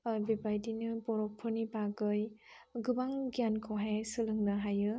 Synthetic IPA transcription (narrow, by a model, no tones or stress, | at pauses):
bebajdinɯpɔɾɔk̚pʰɯnipaɡɯjɡɯbaŋɡiankʰɔwɦajajsɯlɯŋnɐɦajɯ